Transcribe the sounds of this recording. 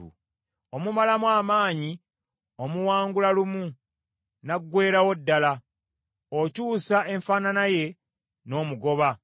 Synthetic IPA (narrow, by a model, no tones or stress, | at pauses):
ṵ | o̞mumalamwaːmaːɲi | o̞muwaːŋɡulalumu | naɡːwe̞ːɾawodːala | ocuːsaʔe̞ɱfaːnanaje̞ | no̞ːmuɡo̞βa